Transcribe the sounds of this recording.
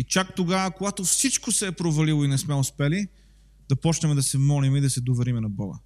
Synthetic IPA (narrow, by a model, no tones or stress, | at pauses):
it͡ʃak̚t̪oɡavəkoɡat̪ofsit͡ʃkosɛːpɾovɐlilˠoinɛsmɛospɛli | d̪̥ɐpɔt͡ʃnɐmɛd̪ɐsɛmɔlimid̪ɐsɛd̪ovɛɾimɛnɐbɔɡə̰